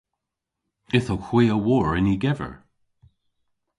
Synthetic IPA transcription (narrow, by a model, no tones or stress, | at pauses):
ɪθowxw̥iːəwɔːɹɪniɡɛvə̰ɹ